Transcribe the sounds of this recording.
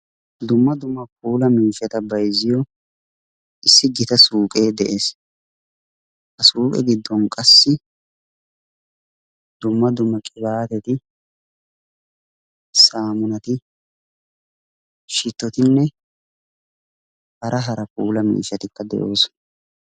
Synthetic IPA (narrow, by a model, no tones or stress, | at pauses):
d̪ʊmːɐd̪ʊmːɐk̚uːlɐmiːʃːɐt̪ɐbɐjzɪjɔ | ʔɪsːɪɡɪt̪ɐsuːkʼeːd̪ɛʔe̞ːs | hɐsuːkʼɛ̰ɡɪd̪ːɔnkʼɐsːɪ | d̪̥ʊmːɐd̪ʊmːɐkʼɪbaːt̪ɛt̪ɪ | saːmʊnɐt̪ɪ | ʃɪt̪ːɔt̪ɪnːɛ | hɐɾʔɐɦɐɾɐkuːlɐmḭːʃːɐt̪ɪkːɐd̪ɛ̰ʔo̞ːsɔ̥